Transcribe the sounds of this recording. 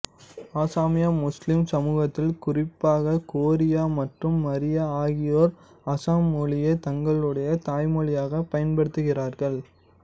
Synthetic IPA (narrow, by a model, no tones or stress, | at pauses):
aːsaːmɪjaːmʊslɪmsɐmuːɣɐt̪ːɪlkʊrɪpːaːɣɐkoːɾɪjaːmɐʈrɯmːɐɾɪjɐaːɣɪjoːɾ | ɐsaːmːɔɭɪjeːt̪ɐŋɡɐɭɯɽɐjɐt̪aːjmɔɭɪjaːɣɐpɐjɐnpɐɽɯt̪ːɯɣɪɾaːɾɣɐɭ